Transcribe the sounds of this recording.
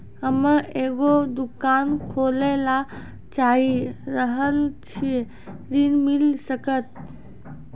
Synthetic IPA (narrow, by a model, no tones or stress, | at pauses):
ɦəməeːɡod̪ʊkaːnkʰoːlela | t͡ʃaːɦiɾəɦəlt͡ʃʰi | ɾinmilsəkət̪̚